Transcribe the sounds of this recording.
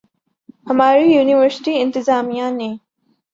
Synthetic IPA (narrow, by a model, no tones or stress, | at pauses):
hɐmaːɾijuːniwəɾsɪ̥ʈiɪ̃nt̪ɪzaːmijane